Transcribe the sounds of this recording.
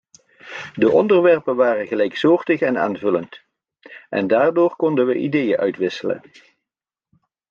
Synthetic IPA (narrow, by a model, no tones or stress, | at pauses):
dəʔɔndəɹʋɛrpənʋaːrənɣəlɛjksoːɹtəχɛna̰ːnvɵlənt | ʔɛ̰ndaːɹdoːɹkɔndənʋəʔḭdejəʔœɥtʋɪsələ̰n